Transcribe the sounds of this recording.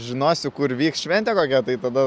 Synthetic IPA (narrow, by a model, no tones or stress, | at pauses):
ʒʲɪnoːsʲʊkʊɾʋʲiːksʃʲʋʲɛnʲt̪ʲɛːkoːkʲɛt̪ɐɪt̪ɐd̪ɐ